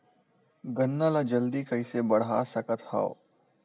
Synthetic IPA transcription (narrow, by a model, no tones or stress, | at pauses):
ɡɐnːaːlad͡ʒɐld̪ikɐisebɐɽ̤aːsɐkət̪ha̰ːo